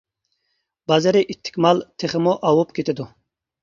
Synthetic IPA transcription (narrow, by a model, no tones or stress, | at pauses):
bɑzɪɾɪʔit̪ʰːɪ̥kʲmɑlˠt̪ʰeχɪmuʔɑwupkʲʰet̪ʰɪd̪u